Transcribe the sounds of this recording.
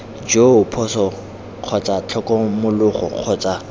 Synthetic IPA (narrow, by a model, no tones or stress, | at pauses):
d͡ʒopʰɔsɔ | q͡χʰɔt͡sʼat͡ɬʰɔkʼɔmʊlʊχɔ̰q͡χʰɔt͡sʼa